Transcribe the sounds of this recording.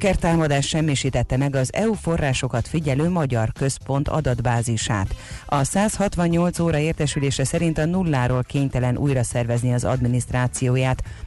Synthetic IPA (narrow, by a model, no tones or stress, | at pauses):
kɛrt̪aːmɒd̪aːʃʃɛmːiʃiːt̪ɛt̪ːɛmɛɡɒzɛufo̞rːaːʃo̞kɒt̪fiɟɛløːmɒɟɒrkø̞spo̞nt̪ʰɒ̰d̪ɒd̪baːziʃa̰ːt̪ɒsaːshɒt̪ʋɒɲːo̞lt̪soːɾɒeːrt̪ɛʃyleːʃɛsɛɾint̪ɒnulːaːɾoːlkeːɲt̪ɛlɛnʔṵːjrɒsɛrvɛzniɒzɒ̰d̪minist̪raːt̪sijoːjaːt̪